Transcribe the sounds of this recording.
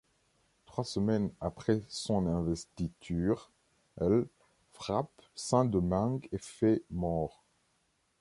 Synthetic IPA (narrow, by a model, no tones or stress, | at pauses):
t̪χwasəmɛnapχɛsɔ̃nɛ̃vɛst̪it̪ʰyʁ | ɛl | fχapsɛ̃d̪əmãŋɡefɛmɔʁ